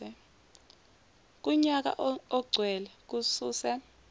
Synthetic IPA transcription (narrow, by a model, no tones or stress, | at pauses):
ɛ | k̬ʼuɲak̬a̰ʔɔɡ͡ǀʱwɛlɛk̬usuːsɛ